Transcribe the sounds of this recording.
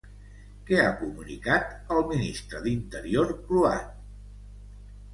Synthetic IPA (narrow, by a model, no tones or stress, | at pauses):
kɛakumunḭkat̪əlˠminist̪ɾəðint̪əɾioɾklua̰